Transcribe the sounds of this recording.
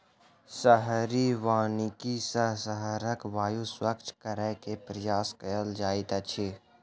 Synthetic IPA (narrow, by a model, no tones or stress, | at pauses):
səɦɾiʋaːnikisəɦsəɦɾəkʋaːjuswəkt͡ʃkəɾɛkepɾɐjaːskɐjəld͡ʒaːit̪ɐt͡ʃʰi